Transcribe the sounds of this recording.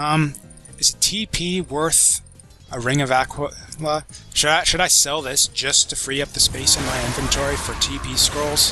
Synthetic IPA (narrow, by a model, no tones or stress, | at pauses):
ʌ̃m | ɨz̥tʰipʰiwɜ˞θ | əɹɪ̃ŋʌvækʰwələʃɨɾaɪʃɨɾaɪsɛlˠðɪsd̥ʒ̥ʌstʰɨfɹiʌp̚ðɨspeɪsɨ̃nmaɪɪ̃ɱvɨ̃ntʰɔɹifə˞tʰipʰiskɹoʊlˠz̥